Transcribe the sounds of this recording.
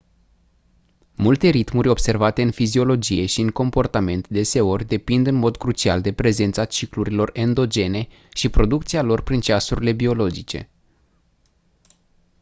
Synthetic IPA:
mult̪e̞ɾit̪murʲo̞bse̞rvat̪e̞ɨnfizio̞lo̞d͡ʒije̞ʃiɨŋko̞mpo̞rt̪ame̞nt̪d̪e̞se̞o̞rʲd̪e̞pind̪ɨnmo̞d̪kɾut͡ʃia̰ld̪e̞pɾe̞ze̞nt̪sat͡ʃikluɾilo̞re̞nd̪o̞d͡ʒe̞ne̞ | ʃipɾo̞d̪uk̚t̪sialo̞rpɾint͡ʃasuɾile̞bio̞lo̞d͡ʒit͡ʃe̞̰

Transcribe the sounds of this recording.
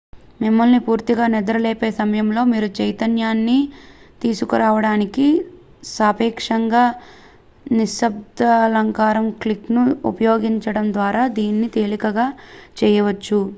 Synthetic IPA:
mimːɐlnipuːɾt̪iɡaːnɛd̪ɐɾɐleːpe̞ːsɐmɐjɐmlo̞ːmiːɾut͡ʃɐjt̪ɐnjaːnːit̪iːsukuɾaːʋɐɽaːniki | saːpiːkʂɐŋɡaː | niʃɐb̚d̪ɐlɐŋkaːɾɐmkliknuupɐjo̞ːɡiɲt͡ʃɐɽɐmd̪ʋaːɾaːd̪iːnːit̪eːlikɐɡaːt͡ʃɛːjɐʋɐt͡ʃːu

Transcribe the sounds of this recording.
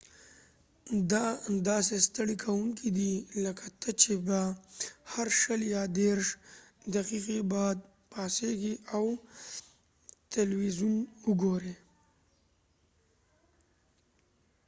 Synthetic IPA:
d̪ad̪ɑsest̪aɽikʰawuŋkid̪iləkat̪ʰət͡ʃʰebahaɾʃəljɑd̪eɾʂ | d̪aqiqibɑd̪̚ | pɑseɡiʔaw | t̪alwizunʊɡoɾe

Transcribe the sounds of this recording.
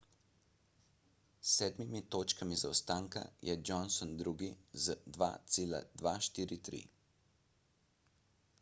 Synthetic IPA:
sɛːd̪mimit̪oːt͡ʃkamizawst̪aːŋka̰jʔɛd͡ʒɔnsɔnd̪ɾuːɡizd̪ʋa̰ːt̪seːla̰d̪ʋaːʃt̪iːɾit̪ɾḭ

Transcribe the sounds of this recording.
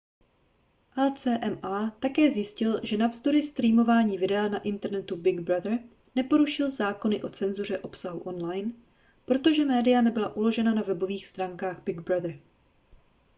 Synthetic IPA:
ʔɛlt͡sɛːʔɛmʔaːt̪akɛːzjɪscɪlʒɛnavzd̪o̞ɾɪst̪ɾiːmo̞vaːɲiːvɪdɛanaʔɪnt̪ɛɾnɛt̪ubɪɡbɾad̪r̩ | nɛpo̞ɾuʃɪlzaːko̞nɪʔo̞t͡sɛnzur̝ɛʔo̞psaɦuʔo̞nlajn | pɾo̞t̪o̞ʒɛmɛːdɪjanɛbɪlaʔulo̞ʒɛnanavɛbo̞viːxst̪ɾaːŋkaːɣbɪɡbɾad̪r̩

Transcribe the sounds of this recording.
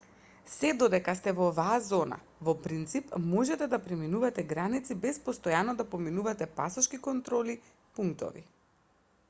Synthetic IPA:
sɛd̪ɔd̪ɛkast̪ɛvɔːvaːzɔna̰ | vɔpɾint̪sipmɔʒɛt̪ɛd̪apɾɛminuvat̪ɛɡɾanit̪sibɛspɔst̪ɔjanɔd̪apɔminuvat̪ɛpasɔʃkikɔnt̪ɾɔli | puŋkt̪ɔ̰vḭ

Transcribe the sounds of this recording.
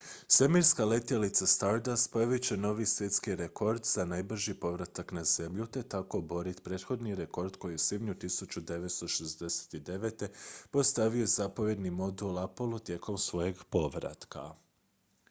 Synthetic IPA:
semiɾskale̞t̪jelit̪sast̪aɾd̪aspojaʋit͡ɕe̞no̞ʋisʋje̞t̪skiɾeko̞ɾd̪zanajbr̩ʒipo̞ʋɾat̪aknaze̞mʎut̪e̞t̪ako̞bo̞ɾit̪pɾe̞ːt̪xo̞d̪niɾe̞ko̞ɾd̪ko̞jisibɲut̪isut͡ɕud̪e̞ʋe̞t̪st̪o̞ʃezd̪e̞se̥t̪id̪e̞ʋe̞t̪e̞po̞st̪aʋijo̞jezapo̞ʋje̞d̪nimo̞d̪ulˠapo̞lˠut̪je̞ko̞msʋo̞je̞ɡpo̞ʋɾa̰t̪ka̰

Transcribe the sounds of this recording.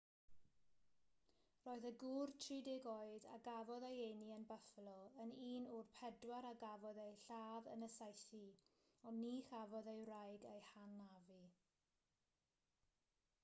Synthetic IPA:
roːɨðəɡʊrtʰriːdɪɡɔɨda̰ɡavɔðejeniənbəflˠɔəniːnʊrpʰɛdwaɾaɡavɔðejɬaːðənəsajθi | ɔniːχavɔðejrajɡejhanːavi

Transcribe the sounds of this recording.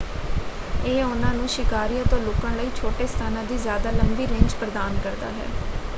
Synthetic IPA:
eːʊnãːnũːʃɪkaːɾijãːt̪õːlʊkəɳləiːt͡ʃʰoːʈeːst̪ʰaːnãːd̪iːzjaːd̪aːləmbiːɾɪ̃ːɲd͡ʒpɾəd̪aːnkəɾd̪a̰ːɦɛ̰ː

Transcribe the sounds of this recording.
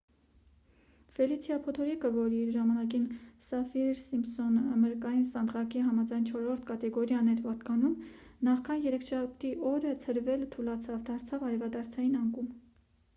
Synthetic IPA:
fɛlit͡sʰjɑpʰɔt̪ʰɔɾikəvɔɾiɾʒɑmɑnɑkinsɑfiɾsimsɔnəməɾkɑjinsɑnd̪ʁɑkiɦɑmɑd͡zɑjnt͡ʃʰɔɾɔɾt̪ʰkɑt̪ɛɡɔɾjɑnɛɾpɑt̪kɑnum | nɑχkʰɑnjɛɾɛkʰʃɑp̚t̪iʔɔɾət͡sʰəɾvɛlt̪ʰulɑt͡sʰɑvd̪ɑɾt͡sʰɑvɑɾɛvɑd̪ɑɾt͡sʰɑjinɑŋkum

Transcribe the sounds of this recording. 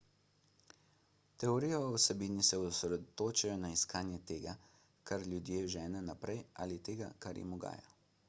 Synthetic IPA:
t̪ɛɔɾiːjɔwsɛbiːnisɛusɾɛd̪ɔt̪oːt͡ʃajɔnaiskaːnjɛt̪eːɡa | kaɾljud̪jeːʒɛːnɛnapɾɛjʔaːlit̪eːɡa̰kaɾjḭmɔɡa̰ːjɔ̰

